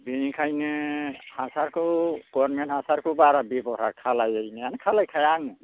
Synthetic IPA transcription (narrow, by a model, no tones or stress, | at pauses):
binikʰajnɯhasaɾkʰuɡ̥ɔɾmɛnhasaɾkʰubaɾabibɔɦa̰ɾkʰalajajnɛanɛkʰalajkʰajaŋ